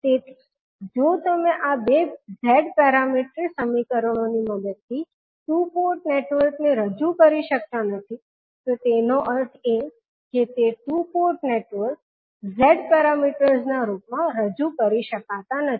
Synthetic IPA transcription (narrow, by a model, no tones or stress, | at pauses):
t̪et̪ʰi̥ | d͡ʒot̪əmẽʔabezɛɖpɛɾamiʈɾisəmikəɾɳ̃oniməd̪əd̪̚t̪ʰi | ʈupoɾʈneʈʋəɾkneɾəd͡ʒukəɾiʃək̚t̪anət̪ʰi | t̪ot̪enoʔəɾʈʰe | ket̪eʈupoɾʈneʈʋəɾk̚ | zɛɖpɛɾamiʈəɾznaɾup̚mãɾəd͡ʒukəɾiʃəkat̪anət̪ʰ